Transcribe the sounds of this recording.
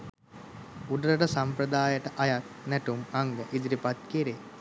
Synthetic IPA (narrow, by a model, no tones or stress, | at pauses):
uɖəɾəʈəsampɾəd̪aːjəʈəʔajat̪̚næʈumaŋɡəʔid̪iɾipat̪̚kiɾe